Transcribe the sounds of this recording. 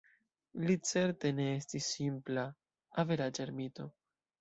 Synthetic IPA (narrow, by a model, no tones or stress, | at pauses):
lit͡se̞ɾte̞ne̞estisːimpla | ave̞ɾad͡ʒeɾmit̪o̞